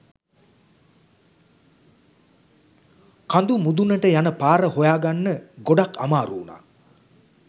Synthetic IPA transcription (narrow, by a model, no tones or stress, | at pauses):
kand̪umud̪unːəʈəjanəpaːɾəhojaːɡanːəɡoɖakʰa̰maːɾuːna̰ː